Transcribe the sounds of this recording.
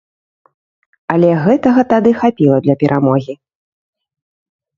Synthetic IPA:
ɐlʲɛɣɛt̪ɐɣɐt̪ad̪ɨxapʲilˠɐd̪lʲɐpʲɛɾʔamɔɣʲi

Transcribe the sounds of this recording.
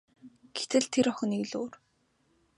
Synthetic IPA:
ɡ̥et̪ɘ̆ɮt̪ʰeɾɔχə̆niːkɮoːr

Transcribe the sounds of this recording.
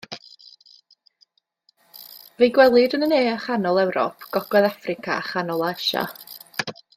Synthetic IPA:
vejɡwɛlˠɪdənəneːaχanɔlˠɛwɾɔ̰pʰɡ̥ɔɡ̥wɛðafrɪkʰa̰aχanɔlˠaɛʃa̰

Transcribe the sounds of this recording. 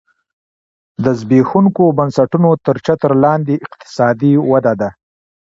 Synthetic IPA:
d̪əzbexuŋkobansaʈunot̪əɾt͡ʃat̪əɾlɑnd̪eɪqt̪ɪ̥sɑd̪iwad̪ad̪a

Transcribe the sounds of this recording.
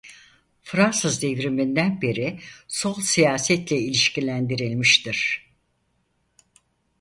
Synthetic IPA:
fɾansɯzd̪evɾimind̪ænbeɾisolˠsijaːsɛt̪lʲɛilʲiʃcilʲænd̪iɾilʲmiʃt̪iɾ̥

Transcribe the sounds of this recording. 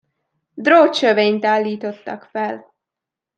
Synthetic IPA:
d̪roːt͡ʃøveːɲt̪aːlːiːt̪o̞t̪ːɒkfɛl

